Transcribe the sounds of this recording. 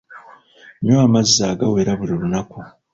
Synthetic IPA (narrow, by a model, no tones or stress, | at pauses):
ɲoamazːaːɡawe̞ɾaβuɾiɾunaku